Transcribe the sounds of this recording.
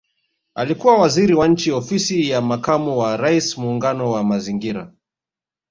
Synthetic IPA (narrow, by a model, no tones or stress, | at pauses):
alikuwawaziɾiwan̩t͡ʃiɔfisijamakamuwaɾaismuːŋɡanɔwamaziŋɡiɾa̰